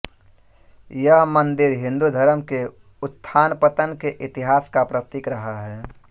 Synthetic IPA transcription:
jəɦmə̃nd̪ɪɾɦɪ̃nd̪ud̪ʱəɾəmke | ʊt̪ʰːaːnpət̪ənkeʔɪt̪ɪɦaːskapɾət̪ɪkɾəɦaɦɛː

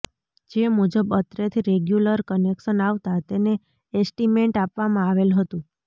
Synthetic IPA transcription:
d͡ʒemud͡ʒəbət̪ɾet̪ʰiɾeɡjuləɾkənekʃənaʋt̪at̪ene | esʈimeɳʈapʋamãaʋelɦət̪ũ

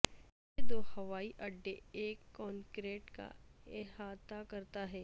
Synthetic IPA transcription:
ed̪oːhɐʋaːiʔɐɖːeeːkːɔːnkɾeːʈka̰ɪɦaːt̪akɐɾt̪aɦɛː

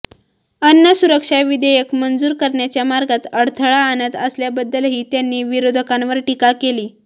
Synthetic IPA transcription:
ənːəsuɾəkʂaʋid̪ejekmənd͡zuːɾkəɾɳjat͡ɕjamaɾɡat̪əɽt̪ʰəɭaːnət̪əsljabəd̪ːəlɦiːt̪janːiːʋiɾod̪ʱəkãnʋəɾʈikakeliː

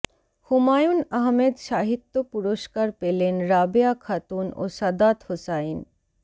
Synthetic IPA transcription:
humajunɐɦmed̪ʃaɦit̪ːopuɾoʃkaɾpelenɾabejakʰat̪uno̰sɐd̪at̪hosain

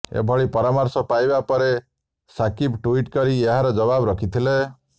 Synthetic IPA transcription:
ḛbʱɔɭipɔɾamɔɾsɔpajbapɔɾe | sakipʈuiʈkɔɾieɦaɾɔd͡ʒɔβabɾɔkʰit̪ʰile

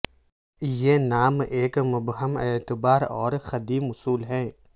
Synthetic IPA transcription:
jenaːmeːkmʊbɦəmet̪ɪbaːɾɔ̰ːɾxɐd̪iːmʊsuːlɦɛ̃ː

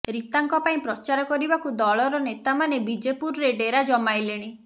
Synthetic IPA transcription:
ɾit̪aŋkɔpaĩpɾɔt͡ʃaɾɔkɔɾibakud̪ɔɭɔɾɔnet̪amanebid͡ʒepuɾɔɾeɖeɾad͡ʒɔmajleɽ̃i

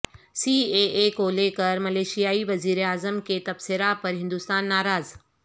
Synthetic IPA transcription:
siːeːkoːlekɐɾmɐleːʃijaːiʋɐziːɾeaːzəmkʰet̪ɐbsɪɾapɐɾɦɪ̃nd̪ʊst̪aːnːaːɾaːz

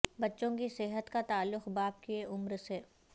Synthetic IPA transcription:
bɐtːʃõkisɪɦət̪kat̪aːlːʊxbaːpkieʔʊmɾseː

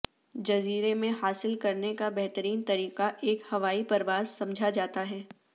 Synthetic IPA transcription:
d͡ʒɐziːɾemẽhaːsɪlkɐɾnekabɛɦt̪əɾiːnt̪ɐɾiːqaʔeːkhɐʋaːipɐɾʋaːzsɐ̃md͡ʒʱad͡ʒaːt̪aɦɛː

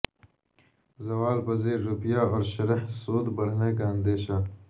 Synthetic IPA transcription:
zɐwaːlpɐzeːɾːupjaːɔːɾʃɐɾɐhsoːd̪bɐɽ̤nekaɐnd̪eːɕa

